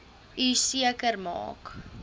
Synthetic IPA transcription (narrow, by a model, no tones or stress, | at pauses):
ʔysiəkərmɑ̰ːk